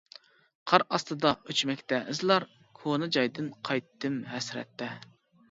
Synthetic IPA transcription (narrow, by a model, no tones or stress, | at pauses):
qʰɑɾɑst̪ɨd̪ɑʔøt͡ʃmɛkʲt̪ɛʔɨzlˠɑɾ | kʰonɨd͡ʒɑjd̪ɨnqʰɑjt̪ːɨmɦɛsɾɛ̰t̪ːɛ